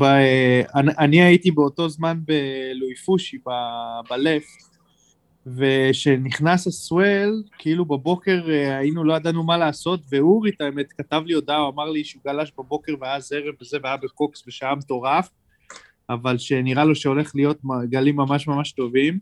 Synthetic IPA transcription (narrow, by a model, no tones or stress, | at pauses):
baanʔaniaitibeo̞to̞zmanbe̞lujfuʃibabale̞f | ve̞ʃe̞niχnasleswelkiilubebo̞ke̞ʁainulo̞ad̪anumalaːso̞t̪ve̞uʁit̪aeme̞t̪kat̪avlijod̪auamaʁliʃeuɡalaʃbabo̞ke̞ʁveajaze̞ʁevbeze̞veajabeko̞ksbeʃaamet̪o̞ʁaf | avalʃe̞niʁalo̞ʃeo̞le̞χlijo̞t̪̚mɡalimːamaʃmamaʃt̪o̞vim